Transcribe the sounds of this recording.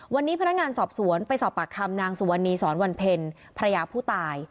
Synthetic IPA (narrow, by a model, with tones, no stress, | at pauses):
wa˧nːiː˦˥pʰa˧na˦˥k̚ŋaː˧nsɔː˨˩p̚su˩˦ənpa˧jsɔː˨˩p̚ːa˨˩kʰːa˧mnaː˧ŋsu˩˦wa˧nːiː˧sɔː˩˦nwa˧npʰe˧n | pʰa˧ɾa˧jaː˧pʰuː˥˩t̪aː˧j